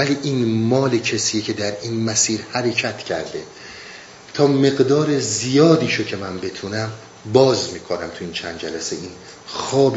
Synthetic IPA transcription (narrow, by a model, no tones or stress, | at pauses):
væliːʔiːnmɒːlecʰesiːecʰe̞d̪æɾiːnmæsiːɾhæɾe̞cʰæt̪ʰcʰæɾd̪e̞ | t̪ʰɒːme̞ɣd̪ɒːɾezijɒːd̪iːʃocʰe̞mænbe̞t̪ʰunæm | bɒːzmiːkʰonæmt̪ʰuiːnt͡ʃʰænd̪d͡ʒælæseiːn | xɒːb